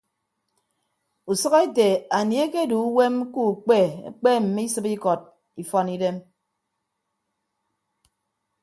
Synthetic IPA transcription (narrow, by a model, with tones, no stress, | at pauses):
u˨sɔ˦ɣe˦te˨a˨ni˨e˦ke˦du˨˦we˦mku˦˨k͡pe˦˨˦k͡pe˦m̩˨mi˦sɨ˦pi˦kɔ˨t̚ | i˨fɔ˦ni˦de˦m